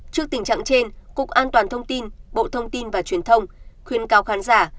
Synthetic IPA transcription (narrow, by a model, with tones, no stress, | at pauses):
t͡ɕɨ˦˥ək̚t̪ï˨˩ŋ̟t͡ɕa̰ː˧˨ŋt͡ɕe˧nkʊ̰˧˨˩k̚ʔaː˧nt̪waː˨˩nt̪ʰə˧wŋ͡mt̪i˧nɓo̰˧˨t̪ʰə˧wŋ͡mt̪i˧nvaː˨˩t͡ɕwi˨˩ənt̪ʰə˧wŋ͡mxwi˧˩ənkaː˨˦wxaː˨˦nzaː˧˩